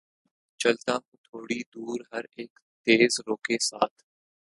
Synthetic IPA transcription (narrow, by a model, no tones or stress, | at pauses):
t͡ʃɐlt̪aːɦũt̪ʰoːɽid̪uːɾɦɐɾeːk | t̪eːzɾoːkesaːt̪ʰ